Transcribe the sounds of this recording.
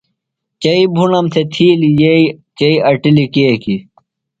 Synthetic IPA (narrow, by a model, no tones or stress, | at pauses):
t͡ɕɐibʱunɐmsʰet̪ʰiːlijeit͡ɕɐiɐʈilikeːki